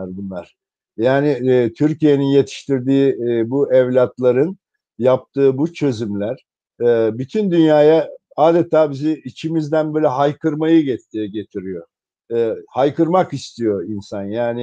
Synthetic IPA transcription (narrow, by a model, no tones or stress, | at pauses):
ɾd̪imæɾ̥ | jaːnɪt̪ʰyɾcije̞ninje̞t̪ʰi̥ʃt̪iɾd̪iːbuʔɛvlʲat̪lˠaɾɯn | jap̚t̪ʰɯːbut͡ʃʰø̞zymlʲæɾ̥ | ɛːbyt̪ʰynd̪ynjaːja | aːd̪et̪ʰaːbiziːt͡ʃʰimizd̪ænbøːlʲɛɦajkɯɾmajɯɟɛt̪ɟet̪ʰiɾijo | hajkɯɾmakist̪ʰijo̞insanjaːnɪ